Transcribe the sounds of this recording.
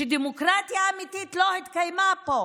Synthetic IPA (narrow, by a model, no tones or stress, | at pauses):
ed̪emokʁat̪ijaːmit̪it̪lohit̪kajmapo